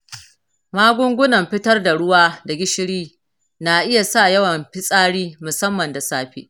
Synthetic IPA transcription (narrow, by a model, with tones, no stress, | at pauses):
maː˦ɡʷʊ˦ŋɡʷʊ˦nɐ˨mɸɪ˦tɐ˦rda˨ɽʊ˦waː˦da˨ɡʲɪ˦ʃɪ˦ɽiː˦ | na˨ʔɪ˦ja˨sa˦˨jɐ˦wɐ˨mɸɪ˦sʼaː˦ɽiː˦mʊ˨sɐ˦mːɐ˨nda˨saː˦ɸḭː˦ʔ